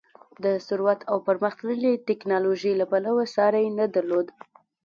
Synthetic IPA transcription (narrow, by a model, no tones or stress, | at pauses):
d̪əsʊɾwat̪ʰawpəɾməxt̪ləlit̪ɪknɑloʒejlapalawasɑɾajenad̪aɾlod̪